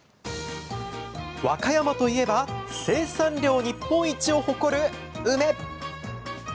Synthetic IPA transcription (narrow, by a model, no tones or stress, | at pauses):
βakajamat̪o̞ie̞base̞ːsãɲɾʲo̞ːɲ̟ipːõ̞ɰ̃it͡ɕio̞ho̞ko̞ɾɯ̟ | ɯme̞